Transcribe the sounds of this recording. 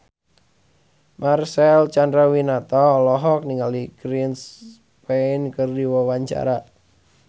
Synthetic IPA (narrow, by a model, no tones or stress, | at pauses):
marsɛlt͡ʃandɾawinat̪ɔːlɔɦɔk̚niŋaliɡɾins | penkərdiwɔwaɲt͡ʃa̰ɾa